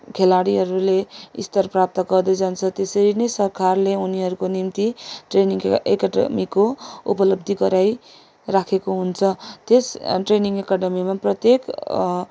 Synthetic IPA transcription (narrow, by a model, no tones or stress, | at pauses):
kʰelaɽiɦʌɾuleḭst̪ʌrprap̚t̪ʌɡʌrd̪ʌd͡zant͡sʰʌt̪esʌɾinʌjsʌrkʰarleuniɦʌɾukonimt̪iʈreniŋḛkʌɖʌ̰mikːoṵpʌlʌb̚d̪ʱiɡʌɾaj | rakʰekoɦunt͡sʰʌt̪esʈreniŋɡekʌʈʌmimaprʌt̪jek